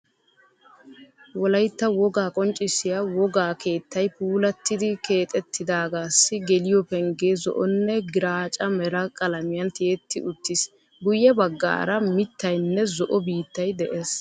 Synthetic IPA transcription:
wɔlɐjt̪ːɐwɔɡaːkʼɔnt͡ʃʼɪsːɪjɐwɔɡaːke̞ːt̪ːɐjpuːlɐt̪ːɪd̪ɪke̞ːt̪ʼɛt̪ːɪd̪aːɡaːsːɪɡɛlɪjɔpɛŋɡeːzɔ̰ʔɔnːɛɡɪɾaːt͡ʃʼɐmɛɾɐkʼɐlɐmɪjɐnt̪ɪet̪ːɪʔʊt̪ːɪs | ɡʊjːɛbɐɡːa̰ːɾɐmɪt̪ːɐjnːɛzɔʔɔbiːt̪ːɐjd̪ɛʔeːs

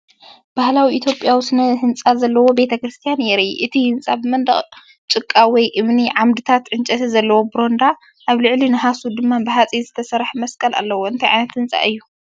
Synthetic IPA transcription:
b̥ahlawiʔit̪ʰjopʼjawisɨnɐhɨnt͡sʼazɐlːɐwo̞be̞t̪ʰɐkɾɨst̪ʰijanjɛɾʔḭʔɨt̪ʰihɨnt͡sʼabɨmɐnd̪ɐχʼ | t͡ʃʼɨkʼːawɔjʔɨmniʕamd̪ɨt̪ʰat̪ʕɨnt͡ʃʼɐt̪ʰɐzɐlːɐwo̞bɾo̞nd̪a | ʔaβlɨʕlinɨɦasud̪ɨmːabɨɦat͡sʼizɨt̪ʰɐsɐɾħmɐskʼɐla̰lːɐwoɨnt̪ʰajʕa̰jnɐt̪hɨnt͡sʼa̰ʔɨjːu

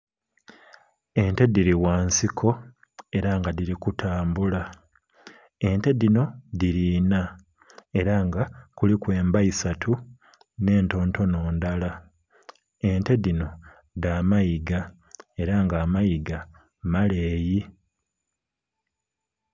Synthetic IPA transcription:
e̞nte̞diɾiwaːnsikʰo̞ | e̞ɾaŋɡadiɾikutʰaːmbula | e̞nte̞dino̞diɾiːna | e̞ɾaŋɡakulikwe̞ːmbaisatʰu | ne̞ːnto̞ːnto̞no̞ːndala | ente̞dino̞ | daːmajiɡa | e̞ɾaŋɡaːmajiɡa | male̞ːji

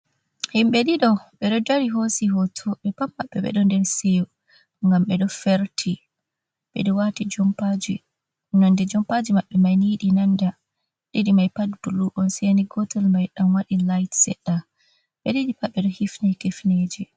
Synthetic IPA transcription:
himɓɛɗiɗɔɓɛɗɔdaɾiɦosiɦɔtʰɔɓɛpamːaɓːɛ̰ɓɛ̰ɗɔndɛɾsew | ŋɡamɓɛɗɔfeɾtʰi | ɓɛ̰ɗɔwatid͡ʒɔmpad͡ʒi | nandɛd͡ʒɔmpad͡ʒimaɓːɛmajniɗinanda | ɗiɗimajpadbuluʔɔnseniɡɔtɛlmajɗamwaɗilajtsɛ̰ɗːa | ɓɛdiɗipaɓːɛɗɔhifnajkefneːd͡ʒi

